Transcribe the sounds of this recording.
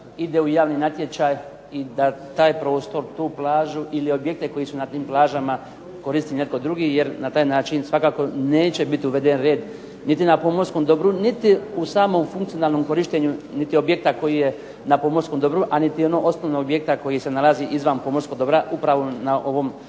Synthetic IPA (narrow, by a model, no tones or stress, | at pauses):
id̪e̞ujaːʋninat̪je̞t͡ɕaːj | id̪at̪aːjpɾo̞ːst̪o̞ɾt̪uːplˠaːʒuʔilio̞bje̞k̚t̪eko̞jisunat̪iːmplˠaːʒama | ko̞ɾist̪ine̞t̪̚ko̞d̪ɾuɡije̞ɾnat̪aːjnaːt͡ʃinsʋakaːko̞ne̞ːt͡ɕe̞bit̪iuʋe̞d̪e̞nɾe̞ːd̪ | nit̪inapo̞moɾsko̞md̪o̞bɾunit̪iusaːmo̞mfuŋkt̪sijo̞naːlˠno̞mko̞ɾiʃt̪eɲunit̪io̞bje̞k̚t̪ako̞jije̞ | napo̞mo̞ɾsko̞md̪o̞bɾuʔanit̪io̞no̞ːʔo̞snoʋnoobjek̚t̪ako̞jise̞nalaziʔizʋanpo̞moɾskod̪o̞bɾaʔupɾaʋo̞naʔo̞ʋo̞m